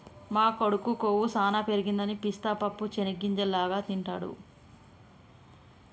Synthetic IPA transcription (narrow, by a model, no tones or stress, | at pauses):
maːkoɽukːukoːwusaːnaːpeɾiɡind̪ɐnipist̪aːpɐpːut͡ʃeniɡːiɲd͡ʒɛlaːɡaːt̪iɳʈaːɽṵ